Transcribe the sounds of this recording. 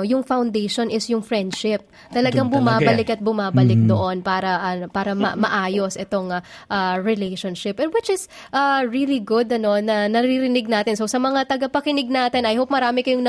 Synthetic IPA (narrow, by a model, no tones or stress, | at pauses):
jʊŋfawnd̪ejʃonʔɪsjʊŋfɹɛnd̪ʃɪp̚ | t̪ɐlɐɡaŋbʊmaːbɐlɪkɐt̪̚bʊmaːbɐlɪk̚d̪oʔo̞npaːɾɐʔɐnpaːɾɐmɐ̰mɐʔaːjo̞sʔɛt̪o̞ŋ | ʔɐɹɪlejʃonʃɪpwɪt͡ʃɪs | ʔɐɹiːliɡʊd̪ɐno̞nɐnɐɾiɾɪnɪɡ̚naːt̪ɪnsosɐmɐŋat̪ɐɡɐpɐkɪnɪɡ̚naːt̪ɪnɐjhop̚mɐɾaːmɪkɐjʊŋnɐ